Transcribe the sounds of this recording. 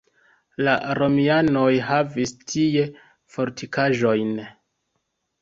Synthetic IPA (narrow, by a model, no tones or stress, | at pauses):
laɾo̞miano̞jɦavistʰije̞ | fo̞ɾtikaʒo̞jn